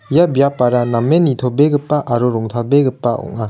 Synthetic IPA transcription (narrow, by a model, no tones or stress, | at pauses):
jabijapaɾanamːenit̪ʰobeɡɯpːaʔaɾoɾɔŋt̪ʰalbeɡɯpːaɔ̰ŋa